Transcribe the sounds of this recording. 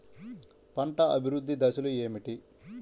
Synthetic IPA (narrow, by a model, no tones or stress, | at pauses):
pɐɳʈɐʔɐbʱiɾud̪ʱːid̪ɐsulue̞ːmiʈi